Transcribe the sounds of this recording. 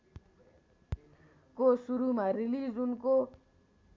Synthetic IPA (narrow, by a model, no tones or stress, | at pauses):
kosuɾumarilid͡zunko